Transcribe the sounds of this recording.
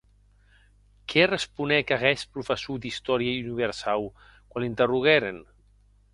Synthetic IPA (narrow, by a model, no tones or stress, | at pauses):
kʰɛrespunɛkaɣɛspɾufəsud̪ist̪ɔɾjaiuniβəɾsaw | kwalint̪əruɣ̞ɛɾen